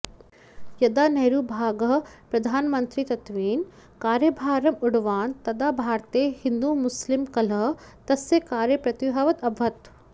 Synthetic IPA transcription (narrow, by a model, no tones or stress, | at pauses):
jɐd̪aːnɐɦɾuːbʱaːɡɐɦpɾɐd̪ʱaːnmɐnt̪ɾit̪ɐt̪ʋiːn | kaːɾjɐbʱaːɾɐmʊɽʋaːnt̪ɐd̪aːbʱaːɾt̪eːhind̪uːmʊslimkɐlɐɦt̪ɐsekaːɾjɐpɾɐt̪uɦɐʋɐt̪ɐbʱɐt̪